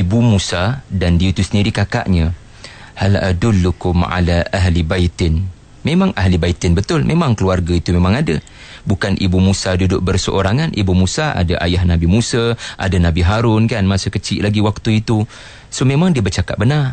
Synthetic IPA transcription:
ibumusadandiət̪usəndiɾikaka̰ʔɲə̃ | hala̰dʊlːukʊmʕa̰laʔaɦlibait̪ɪn | memãŋaɦlibait̪ɪnbət̪ʊlmʔemãŋkəluarɡait̪umemãŋadə | bukanʔibumusadudʊʔ̚bərsəʔoɾaŋanʔibumũsaa̰daʔa̰jaɦnãbimũsaʔa̰danãbiɦaɾʊnkanmasəkət͡ʃɪʔlaɡiwak̚t̪uit̪u | somemaŋdiəbərt͡ʃaka̰ʔ̪̚bənar

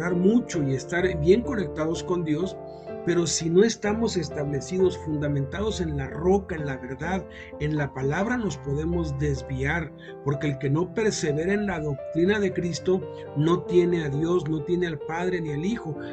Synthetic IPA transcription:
aɾmut͡ʃo̞ie̞st̪aɾbje̞ŋko̞ne̞k̚t̪aðo̞sko̞nd̪jo̞s | pe̞ɾo̞sino̞e̞st̪amo̞se̞st̪aβle̞siðo̞sfund̪amẽnt̪að̞o̞se̞nlaro̞kaenlaβe̞ɾðað | e̞nlapalaβɾano̞spo̞ðe̞mo̞zd̪e̞zβiaɾ | po̞ɾke̞ːlke̞no̞pe̞ɾse̞βe̞ɾenlaðo̞k̚t̪ɾinaðe̞kɾist̪o̞ | no̞t̪je̞ne̞aðjo̞sno̞t̪je̞ne̞alpaðɾe̞nialixo̞

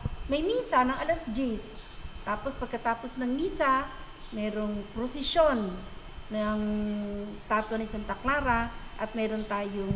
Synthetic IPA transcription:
mɐjmiːsanɐŋɐlɐsd͡ʒist̪aːpospɐɡ̚kɐt̪aːposnɐŋmiːsa | mɛːɾoŋpɾosɪʃjonː | ɐŋ | st̪aːt̪wanɪsɐnt̪ɐklaːɾaʔɐt̪̚mɛːɾont̪aːjoŋ

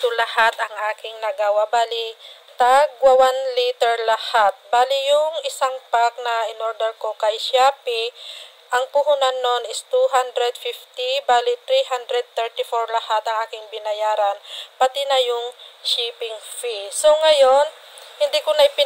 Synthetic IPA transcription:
t̪ʊlɐhat̪ɐŋʔaːkɪŋnɐɡawabaːlɪ | t̪aɡwɐwanlit̪ɛɹlɐhat̪̚baːlɪjʊŋɪsaŋpak̚nɐʔɪnoɾd̪ɛɹkokɐjʃaːpɪ | ʔɐŋpʊɦunanːo̞nɪst̪uɦand̪ɾɛd̪̚fift̪ibaːlɪt̪ɾiɦand̪ɾɛd̪̚t̪ɛɹt̪ɪfoɹlɐhat̪ɐŋʔaːkɪŋbɪnɐjaːɾɐnpɐt̪ɪnɐjʊŋʃiːpɪŋfiso̞ŋɐjo̞n | hɪnd̪ikʊnɐjpɪ

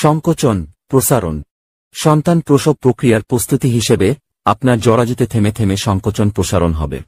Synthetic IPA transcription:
ʃɔŋkot͡ɕonpɾoʃaɾo̰n | ʃɔnt̪anpɾoʃob̚pːɾokɾijaɾpɾost̪ut̪iɦiʃebe | apnaɾd͡ʑɔɽad͡ʑot̪et̪ʰemet̪ʰemeʃɔŋkot͡ɕonpɾoʃaɾonɦɔ̰bḛ

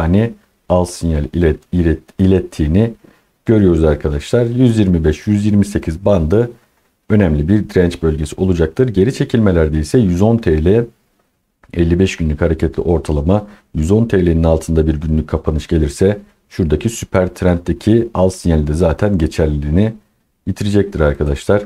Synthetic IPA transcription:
ani | alˠsinalʲ | ilʲɛt̪ʰːiːni | ɟ̥ø̞ɾyjo̞ɾuzaɾkʰad̪aʃlˠaɾjyzjiɾmibɛʃjyzjiɾmise̞cʰizband̪ɯ | ø̞nɛmlʲibiɾd̪ɾɛnt͡ʃbø̞lʲɟe̞siʔo̞lˠud͡ʒak̚t̪ʰɯɾɟe̞ɾit͡ʃʰe̞cʰilʲme̞lʲæɾd̪eisɛjyzo̞nt̪ʰeːlʲɛ | ɛlʲːibɛʃɟ̥ynlʲychaɾe̞cʰɛt̪lʲḭʔo̞ɾt̪ʰalˠama | jyzo̞nt̪ʰelʲeninalˠt̪ʰɯnd̪abiɾɟynlʲyc̚ʲkʰːapʰanɯʃɟ̥e̞lʲiɾsɛ | ʃuɾd̪acʰisypʰæɾt̪ʰɾænt̪ːecʰialˠsinɛlʲd̪ɛzaːt̪ʰænɟe̞t͡ʃʰæɾlʲiːni | jit̪ʰiɾid͡ʒɛc̚t̪ʰiɾaɾkʰad̪aʃlˠaɾ̥

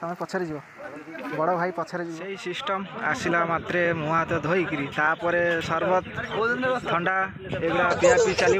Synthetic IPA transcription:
t̪ɔmnepɔt͡ʃʰɔɾed͡ʒibɔ | bɔɽɔbʱajpɔt͡ʃʰɔɾed͡ʒibsejsisʈɔma̰silamat̪ɾemuɦat̪ɔd̪ʱɔjkiɾit̪apɔɾesɔɾbɔt̪od̪ʱɔnat̪ʰɔɳɖa | eɡɽapijakbit͡ʃali

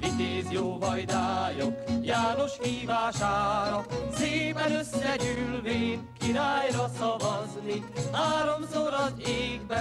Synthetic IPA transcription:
vit̪eːzjoːvɒjd̪aːjokjaːno̞ʃhiːvaːʃaːɾɒseːpɛnø̞sːɛɟylveːnkiɾaːjɾɒsɒvɒznihaːɾo̞msoɾɒdeːɡbɛ

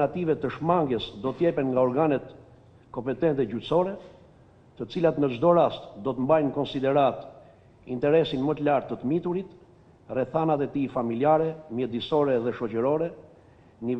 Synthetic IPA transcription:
nat̪ivɛt̪əʃmaŋɡjəsd̪ɔt̪əjɛpɛnŋɡaɔɾɡanɛt̪ | kɔmpɛt̪ɛnt̪ɛɟysɔɾɛ | t̪ət͡silat̪nəd͡ʒd̪ɔɾast̪d̪ɔt̪əmbajnkɔnsid̪ɛɾat̪ | int̪ɛɾɛsinmət̪əlaɾt̪ːət̪əmit̪uɾit̪ | rɛθanat̪ɛt̪ifamiliaɾɛmjɛd̪isɔɾɛðɛʃɔt͡ɕəɾɔɾɛ | ni

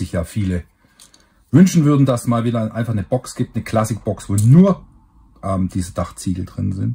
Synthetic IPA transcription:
ɪçjaːfiːlə | vʏnʃn̩vʏɐdn̩dassmaːlviːdɐʔa̰ɪnfaχnəbɔksɡ̥iːp̚tnəkl̥asɪk̚b̥ɔksv̥oːnuːɐ | ʔɛmd̥iːzəd̥aχt͡siːɡl̩ədʁɪnzɪ̰nt

